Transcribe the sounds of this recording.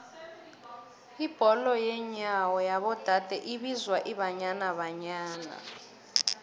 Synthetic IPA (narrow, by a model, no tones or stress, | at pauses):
ib̥ʱɔlɔjɛɲawɔjaβɔd̥ʱad̥ʱɛʔiβizwaʔiβaɲanaβaɲaːna̰